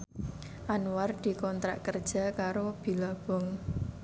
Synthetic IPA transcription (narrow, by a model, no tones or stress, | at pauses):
ʔanward̪̥i̤kɔnt̪ɾa̰ʔkərd̥ʒ̥a̤kaɾob̥i̤lab̥ɔŋ